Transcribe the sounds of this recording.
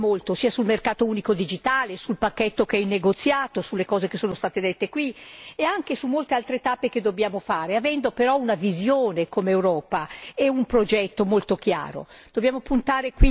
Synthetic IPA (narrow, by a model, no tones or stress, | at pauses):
molt̪osiːasulmerkaːt̪ouːnikod̪id͡ʒit̪aːlesulpakːɛt̪ːokeɛinːeɡot̪sːjaːt̪osulːekɔːzekesːoːnost̪aːt̪ed̪et̪ːekwieaŋk̟esumːolt̪ealt̪ɾet̪apːek̟ed̪objaːmofaːɾeavɛnd̪opeɾɔunavizjoːnekomeːwɾɔːpaeumpɾod͡ʒɛt̪ːomolt̪ok̟ja̰ːɾo̰ | d̪̥objaːmopunt̪aːɾekwi